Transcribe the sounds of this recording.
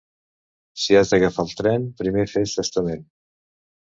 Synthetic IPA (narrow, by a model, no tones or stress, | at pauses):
siazðəɣəfalˠt̪ɾɛnpɾimefeʃt̪əst̪əmen